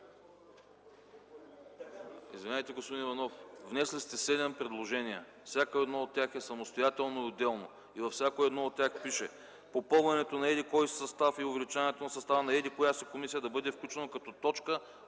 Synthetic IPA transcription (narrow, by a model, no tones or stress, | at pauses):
ḭzvinajt̪ɛɡospod̪inivɐnɔfvnɛslʲist̪ɛsɛd̪ɛmpɾɛd̪lˠoʒɛniɛ | fsʲakoɛd̪nɔot̪ːʲjaxɛsɐmost̪ojat̪ɛlˠnoiod̪ɛlˠno | ivɐfsʲjakoɛd̪nɔot̪ːʲjaxpiʃɛ | popɤlˠvɐnɛt̪onɐɛd̪ikɔjssɐst̪afiʊvɛlit͡ʃanɛt̪onɐsɐst̪avənɐɛd̪ikojasɛkomisijəd̪ɐbɤd̪ɛfklʲut͡ʃɛnəkɐt̪ɔt̪ɔt͡ʃkə